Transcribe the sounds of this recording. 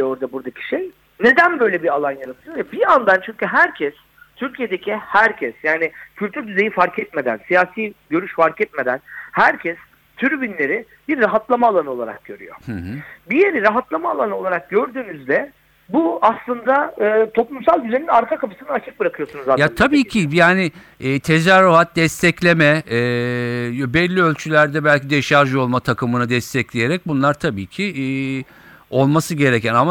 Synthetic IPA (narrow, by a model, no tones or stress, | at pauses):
oɾd̪abuɾd̪acʰi̥ʃej | ne̞d̪ænbø̞jlʲɛbialˠanjaɾat̪ʰɯjojabiand̪ant͡ʃʰyɲcyɦæɾcʰɛs | t̪ʰyɾcʰije̞d̪e̞cʰihæɾcʰɛsjaːnɪcʰylʲt̪ʰyɾd̪yze̞jifaɾkʰɛt̪me̞d̪æ̰nsijaːsiːɟø̞ɾyʃfaɾkɛt̪me̞d̪ænhæɾcʰɛs | t̪ʰyɾbinlʲe̞ɾi | biɾːaɦat̪lˠamaːlˠanɯo̞lˠaɾa̰k̚ɟ̥ø̞ɾy̰jo̰bijeɾiɾaɦat̪lˠamaːlˠanɯo̞lˠaɾak̚ɟø̞ɾd̪yːnyzlɛ | buaslˠɯnd̪aɯːt̪ʰo̞plˠumsalˠɟyzeninaɾkʰakapʰɯ̥sɯnaːt͡ʃʰɯk̚bɯɾakʰɯjo̞sunuzajat̪ʰabiːcʰijaːnɪː | t̪ʰe̞zæɾːoɦat̪̚d̪ɛst̪ʰɛclʲe̞mɛː | jbɛlʲːiølʲt͡ʃʰylʲæɾd̪ɛbælʲcʰid̪ɛʃaɾʒo̞lˠmat̪ʰakɯmɯnad̪ɛst̪ʰɛclʲeje̞ɾɛc̚bunlˠaɾt̪ʰabiːcʰɪː | o̞lˠmasɯɟe̞ɾecʰænama